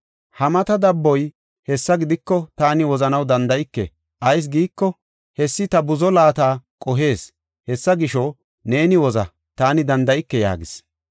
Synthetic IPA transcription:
hɐmɐt̪ɐd̪ɐbːɔj | hɛsːɐɡɪd̪ɪkːɔt̪aːnɪwɔzɐnɐwd̪ɐnd̪ɐjɪkːɛ̰ | ʔɐjs̬ɡiːkːɔ | hɛsːɪt̪ɐbʊzɔlaːt̪aːkʼɔɦe̞ːs | hɛsːɐɡɪʃɔ | ne̞ːnɪwɔzɐ̰ | t̪aːnɪd̪ɐnd̪ɐjɪkːɛja̰ːɡɪs

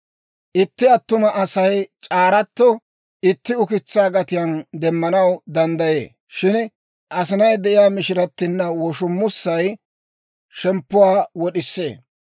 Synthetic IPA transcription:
ʔɪt̪ːɪɐt̪ːʊmɐʔɐsɐjt͡ʃʼaːɾɐt̪ːɔ | ɪt̪ːɪʊkɪt͡sːaːɡɐt̪ɪjɐnd̪ɛmːɐnɐwd̪ɐnd̪ɐjḛː | ʃɪn | ʔɐs̬ɪnɐjd̪ɛʔɪjaːmɪʃɪɾɐt̪ːɪnːɐwɔʃʊmːʊsːɐj | ʃɛmpːʊwaːwɔɗɪsːe̞ː

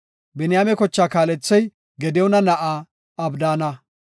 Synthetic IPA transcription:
bɛnɪjaːmɛkɔt͡ʃːaːkaːlɛt͡sːɐj | ɡɛd̪ɛwnɐnɐʔaː | ɐbd̪aːnɐ

